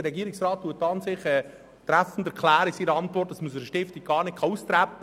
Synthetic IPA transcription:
dəɾɛɡiːɾɪksɾɑːt̚tːuətːɑnsɪχɛ | t̪ɾæfn̩dɛɾkʰlæːɾəsiːɾəɑntvɔrtːɑsmusəɾəʃtɪftik̚ɡ̥ɑːɾnɪkʰɑust̪ɾæpːə

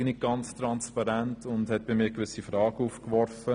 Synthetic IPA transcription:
nɪɡ̥ɑnt͡stɾɑnspɑɾæntʰʊndhɛt̚b̥ɪmiːɾkʋʏsifɾɑːɡəuːfkʋɔɾfə

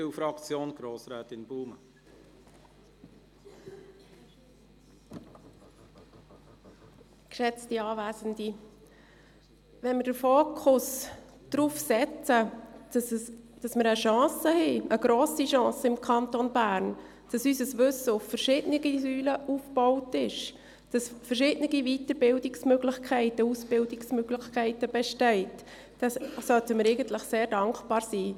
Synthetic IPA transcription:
ɪfɾɑkt͡sjoːnɡ̥ɾoːsɾɛːt̪ɪnb̥uːmə | kʃɛt͡stiɑːvæːzəndi | ʋɛnməd̥əɾfoːkʰʊsd̥ɾuːfsɛt͡sə̥ | d̥ɑsməɾəʃɑ̃ːsəhɛʔəɡ̥ɾoːsiʃɑ̃ːsəɪmkʰɑntonbæːɾn | d̥ɑsysəsʋɵsəʊffərʃɪdnɪɡ̥isyːləufb̥ɔʊtɪʃ | d̥ɑsfərʃɪdnɪɡivitəbɪldɪksmøɡlɪχkʰɛɪtəusb̥ɪldɪksmøɡ̥lɪxkʰɛɪtəb̥ɛʃtɛɪt | d̥ɛsœltəmɪɾɛɪɡəntləχseːɾdɑŋkb̥ɑːɾsiː

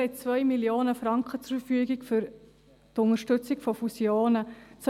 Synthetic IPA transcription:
ɛt͡sʋœʏmiljoːnəfɾɑŋkχət͡suɾfəfyːəɡɪkfʏɾ | tʊŋəʃtʏt͡sɪkfɔfusjoːnət͡s

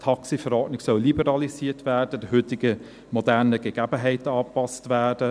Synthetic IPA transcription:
tʰɑksifəɾɔdnɪɡsœllibəʁɑlisiːtvæːd̥əd̥əɦʏtɪɡə | mɔdæʁnəɡ̥əɡ̥æbəɦɛɪtɑːpɑstvæːd̥ə

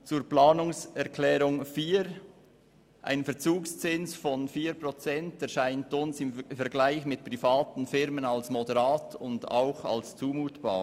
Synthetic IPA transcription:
t͡suːɾplaːnʊŋsɛɐʁkʰlɛːɾʊŋfiːɾ | ʔa̰ɪnfɛɐt͡suːkst͡sɪnsfɔnfiːɾpʁot͡sɛntɛɾʃaɪntʊnsɪmfɛɾɡlaɪçmɪt̚pʁifaːtn̩fɪɾmənɑlsmodəʁaːtʰʊnda̰ʊxɑ̰lst͡suːmuːtb̥a̰ː

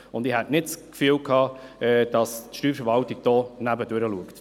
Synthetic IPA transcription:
ʊnd̪ɪhɛtnɪtskfyːəwkʰɑːɛd̥ɑstʃtyːffəɾvɑltiɡ̚d̥ɔːnæbəd̥øɾəluəkt

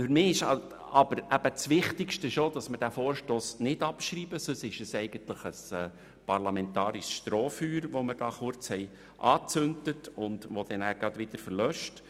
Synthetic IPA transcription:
fʏɾmɪːɪʃɑ | ɑb̥əɾæb̥ət͡sʋɪχtɪkʃtəʃod̥ɑsməɾd̥æfoːɾʃtoːsnɪdɑpʃɾiːbəsøsɪʃəsɛɪɡ̥əntləχəsɛː | pɑrlɑmɛnt̪ɑːɾɪʃsʃtɾɔːfyːɾʋoməɾd̥ɑːχʊɾt͡shɛj | ʔɑːt͡sʏntətʊndʋod̥ɛnæːɡ̥ɑd̪ʋɪd̥̪əɾfəɾlœʃt

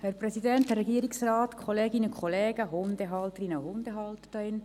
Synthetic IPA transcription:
hɛɾprɛsidɛnt̪hɛɾɛɡiəɾiksraːtkʰχɔleːɡinəkχɔleːɡ̥əɦʊnd̪eɦɑlt̪əɾinəhʊnd̥̪eɦɑlt̪ə̥dɑɪn

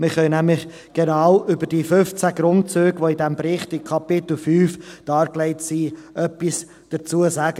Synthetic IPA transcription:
mɪɾχœɥnæmlɪχ | ɡ̥ɛnɑwʔʏbəd̥iːføft͡sæɡ̥ɾʊntt͡søːɡ̥ʋoidɛmbɾɪχtɪkʰɑpɪt̪l̩fyːfd̥ɑːɾklɛɪtsiːʔœpːis | d̥ət͡suːəsaːɡ̥ə

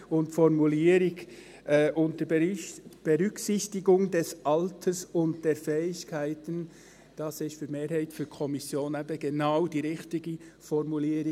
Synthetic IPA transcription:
ʊntfɔɾmuliːɾɪɡ | ʔːʔʊnt̚d̥ə | b̥ɛʁʏksɪçtɪɡʊŋdɛsʔɑltʰəsʊnt̚d̥eːɾfɛːɪçkʰaɪtən | d̥ɑsɪçfyːɾmeːɾhaɪtfyːɾkʰɔmɪsjoːnɛbəɡ̥enaʊdiːʁɪxtɪɡəfɔɾmuliːɾɪ

